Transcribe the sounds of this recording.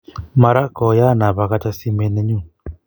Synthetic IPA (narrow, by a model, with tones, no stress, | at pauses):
ma˨ɾa˦kɔ˨ja˦˨na˨βa˨ɣa˦t͡ʃa˦si˦me˨nɛ˦ɲu˦˨